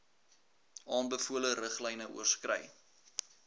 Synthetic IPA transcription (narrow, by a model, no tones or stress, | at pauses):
ʔɑːnbəfuələɾəχlɛjnəʔṵərskrɛ̰j